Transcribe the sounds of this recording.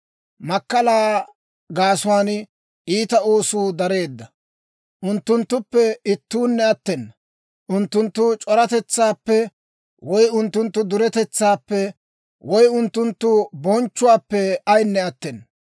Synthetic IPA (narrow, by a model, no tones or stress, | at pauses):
mɐkːɐlaː | ɡaːsʊwaːn | iːt̪ɐo̞ːsuːd̪ɐɾe̞ːd̪ːɐ | ʔʊnt̪ːʊnt̪ːʊpːɛɪt̪ːuːnːɛɐt̪ːɛnː | ʔʊnt̪ːʊnt̪ːʊt͡ʃʼɔɾɐt̪ɛt͡sːaːpːɛ | wʔɔjʊnt̪ːʊnt̪ːʊd̪ʊɾɛt̪ɛt͡sːaːpːɛ | wʔɔjʊnt̪ːʊnt̪ːʊbɔnt͡ʃːʊwaːpːɛɐjnːɛɐt̪ːɛnː